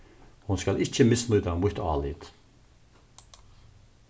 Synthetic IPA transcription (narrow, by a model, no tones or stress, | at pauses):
hunskalʔɪt͡ɕːəmɪsnut̪amʊt̪ɑːliːt̪